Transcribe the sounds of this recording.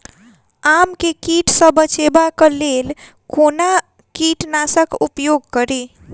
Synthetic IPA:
amkekiʈsə̃bət͡ʃebakəlel | kona | kiʈnasəkupjoɡ̚kəɾi

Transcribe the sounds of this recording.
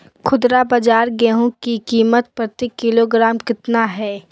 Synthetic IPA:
kʰʊd̪ɾabɐd͡ʒaːɾɡɛːɦũkikiːmət̪̚pɾət̪ikːɪloɡɾaːmkɪt̪naɦɛː

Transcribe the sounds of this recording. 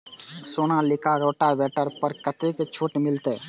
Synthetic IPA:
soːnalɪkaɾoːʈaʋɛːʈəɾpəɾkət̪eket͡ʃʰoːʈmɪlt̪eː

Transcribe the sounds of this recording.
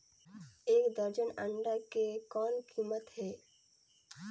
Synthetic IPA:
eːkd̪əɾd͡ʒənə̃ɳɖakekɔːnkimət̪ɦɛː

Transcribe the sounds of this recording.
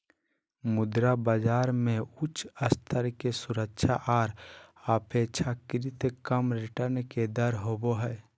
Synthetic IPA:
mʊd̪ɾabəd͡ʒaːɾmẽʊt͡ʃʰəst̪ʰəɾkesuɾəkʃʰaʔaːɾaːpʰet͡ʃʰakɪɾit̪kəmɾiʈəɾnked̪əɾɦoboɦɛ

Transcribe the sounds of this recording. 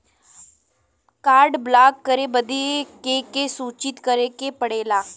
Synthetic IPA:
kaːɾɖblaːkːəɾebəd̪ekekesuːt͡ʃɪt̪kəɾekepəɽeːlaː

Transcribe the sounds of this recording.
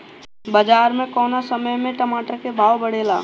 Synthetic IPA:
bəd͡ʒaːɾmẽkɔːnasəməjmẽʈəmaːʈəɾkebʱaːʋbəɽeːlaː

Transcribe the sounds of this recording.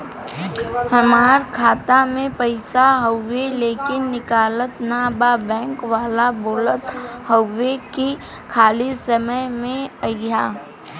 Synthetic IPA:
hɐmaːɾkʰaːt̪amẽpəɪsaɦəwʋeleːkɪnːɪkaːlət̪naːbabɛ̃ːŋkʋaːlaboːlət̪həwːeki | kʰaːlisəməjmẽəɡjaː

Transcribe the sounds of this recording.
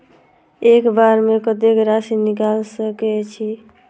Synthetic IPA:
ekbaɾmekət̪̬ekɾasinikalsəkɛt͡ʃʰi

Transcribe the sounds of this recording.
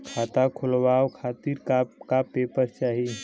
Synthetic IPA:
kʰat̪akʰulʋaokʰat̪iɾkakapepəɾt͡ʃaɦi

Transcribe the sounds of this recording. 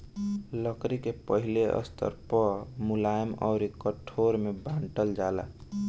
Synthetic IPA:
ləkɾikepəɦileʔə̰st̪ʰə̰ɾpəmulajmɔ̰ʊɾikəʈʰoɾmebãɳʈəld͡ʒalə̰

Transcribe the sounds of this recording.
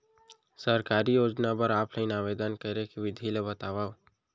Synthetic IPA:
səɾkaːɾijoːd͡ʒnabəɾaːpləinaːʋeːd̪ənkəɾekiʋɪd̪ʱilebət̪aːʋa

